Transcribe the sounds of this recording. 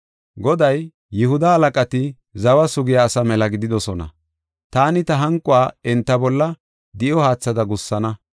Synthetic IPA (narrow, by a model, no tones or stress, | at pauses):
ɡɔd̪ɐjː | ɪhʊd̪ɐhɐlɐkʼɐt̪ɪ | zɐwɐsʊɡɪjaːsɐmɛlɐɡɪd̪ɪd̪ɔsɔnɐ̰ | t̪aːnɪt̪ɐɦɐŋkʼʊwaːɛnt̪ːɐbɔlːɐ | d̪ɪʔɔhaːt͡sːɐd̪ɐɡʊsːɐnɐ